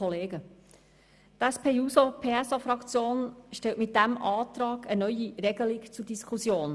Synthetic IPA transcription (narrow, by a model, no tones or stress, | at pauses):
ɔleːɡə | t̪æspʰeːjuːsopʰeːɛsɑfɾɑkt͡sjoːnʃtɛltmɪt̚d̥æmʔɑːt̪ɾɑːɡənœʏjiɾɛɡ̥əlɪkt͡sudiskʰusjoːn